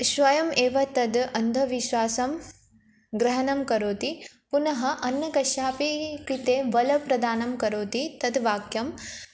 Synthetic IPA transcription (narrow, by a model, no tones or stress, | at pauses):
ʃʋɐjɐmeːʋɐt̪ɐd̪ɐnd̪ʱɐʋiʃʋaːsɐm | ɡɾɐɦɐnɐmkɐɾoːt̪i | punɐɦɐʔɐnːɐkɐʃjaːpikɾit̪eːʋɐlɐpɾɐd̪aːnɐmkɐɾoːt̪it̪ɐd̪ʋaːkjɐm